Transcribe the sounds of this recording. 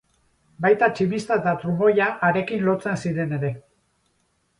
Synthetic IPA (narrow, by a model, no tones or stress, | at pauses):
bajt̪at͡ʃimist̪aet̪at̪ɾumo̞jaʔːɾe̞kinlo̞t͡se̞nsiɾe̞ne̞ɾe̞